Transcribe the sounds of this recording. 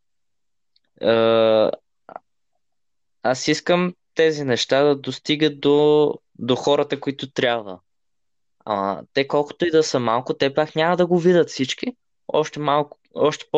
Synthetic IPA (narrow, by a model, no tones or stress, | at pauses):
ə | asiskəmt̪ɛzinɛʃt̪ad̪ɐd̪ost̪iɡət̪̚d̪o | d̪oxɔɾət̪əkoit̪ot̪ɾʲabvə̰ | ɐ̰t̪ɛkɔlˠko̥t̪oid̪ɐsəmalˠkʊt̪ɛpaknʲamɐd̪ɐɡovid̪ət̪fsit͡ʃk̟i | ɔ̰ʃt̪ɛmalˠk | ɔʃt̪ɛ̥p